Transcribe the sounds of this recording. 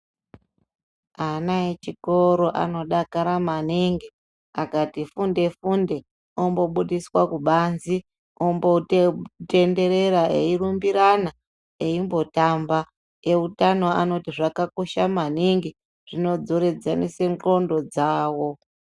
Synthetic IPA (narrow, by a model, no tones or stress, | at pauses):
anaet͡ʃikoɾo̞ʔa̰no̞ɗakaɾamaniŋɡi | akatifunde̞funde̞ | ombo̞ɓuɗiswakuɓanzi | ombote̞nde̞ɾe̞ɾaʔeirumbiɾana | eimbo̞tamba | e̞utano̞ano̞tiʐakakoʃamaniŋɡi | ʐ̥ino̞d͡zo̞ɾe̞d͡zanese̞ŋɡo̞ndo̞d͡zaːwo̞